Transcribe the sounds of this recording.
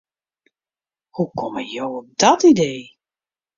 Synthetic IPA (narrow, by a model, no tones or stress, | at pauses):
hukʰɔməjowɔp̚dɔtidej